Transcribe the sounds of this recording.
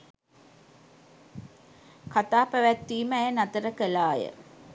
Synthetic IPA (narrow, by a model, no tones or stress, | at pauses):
kat̪aːpəʋæt̪ːiːməæjənat̪əɾəkəlaːjə̰